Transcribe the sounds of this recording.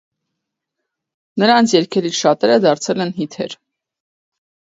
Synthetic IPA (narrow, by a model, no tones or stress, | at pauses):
nəɾɑnt͡sʰjɛɾkʰɛliʃɑt̪ɛɾəd̪ɑɾt͡sʰɛlɛnɦit̪ʰɛ̰ɾ